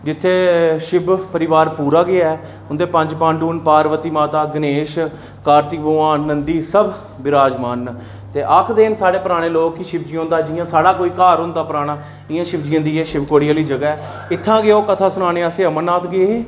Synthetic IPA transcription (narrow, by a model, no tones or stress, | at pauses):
d͡ʒɪt̪ʰːeːʃɪbpəɾɪʋaːɾpuːɾaːɡɪaːɛː | ʊnd̪eːpə̃ɲd͡ʒpãːɳɖuːnpaːɾʋət̪iːmaːt̪aːɡəneːʃ | kaːɾt̪ikboːãːnnːənd̪iːsəb | bɪɾaːd͡ʒmaːn | t̪eːʔəkʰd̪eːnsaːɽeːpəɾaːɽ̃eːloːkiʃɪbd͡ʒɪãːnd̪aːd͡ʒɪjãːsaːɽaːkoːiːkaːɾʊ̃nd̪aːpəɾaːɽ̃aː | ɪjãːʃɪbd͡ʒɪãːd̪iːɛːʃɪbkoːɽɪjaːliːd͡ʒəɡaːɛː | ɪt̪ʰːãːɡɪoːkət̪ʰaːsʊnaːneːəseːəmənaːt̪ʰɡɪeːeː